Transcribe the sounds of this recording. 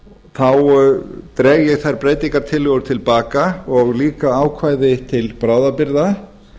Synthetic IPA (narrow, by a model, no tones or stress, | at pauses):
θawt̪ɾɛːɣjɛɣθajɾ̥pɾeːjt̪iŋkaɾ̥t̪ʰɪlɣʏɾt̪ʰɪlpaːkaɔɣliːkaaːwkʰvaːjðɪt̪ʰɪlpɾaːwðapɪɾða